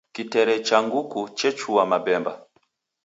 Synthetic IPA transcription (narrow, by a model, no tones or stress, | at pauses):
kitɛɾɛt͡ʃaŋɡukut͡ʃɛt͡ʃuwamabɛmba